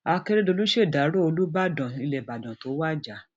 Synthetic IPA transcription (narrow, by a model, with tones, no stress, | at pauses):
a˧ke˧ɾe˦do˧lu˦ʃe˦˨da˨˦ɾo˦o˧lu˦ba˦dɔ̃˨i˧lɛ˨ba˨dɔ̃˨to˨˦wa˦˨d͡ʒa˨˦